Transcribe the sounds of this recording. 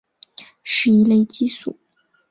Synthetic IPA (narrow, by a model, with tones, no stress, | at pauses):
ʂɻ̩˥˩i˧˥le˥˧ɪt͡ɕi˥su˥˩˦